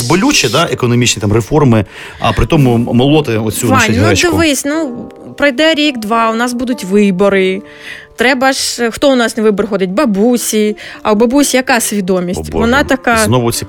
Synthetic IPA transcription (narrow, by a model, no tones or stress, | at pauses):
zbɔlʲut͡ʃɛd̪aʔekɔnɔmʲit͡ʃnʲit̪amrefɔrmɪ | ɐ̰pɾɪt̪ɔmʊmɔlˠɔt̪ɪɔt̪t͡sʲuɑɛɛd̪ɪʋɪsʲnu | pɾɔjd̪ɛɾʲikd̪ʋɑʊnɑsbud̪ʊtʲʋɪbɔɾɪ | t̪ɾɛbɐʒxt̪ɔʊnɑsnɛʋɪbɔɾxɔd̪ɪtʲbɐbusʲiɐwbɐbusʲijɐkɑsʲʋʲid̪ɔmʲisʲtʲʋɔnɑt̪ɐkɑznɔʋʊsʲi